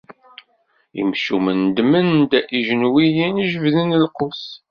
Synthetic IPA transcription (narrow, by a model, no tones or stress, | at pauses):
ḭmʃumənd̪mənd̪æʔiʒənwijinʒəvðənəlqos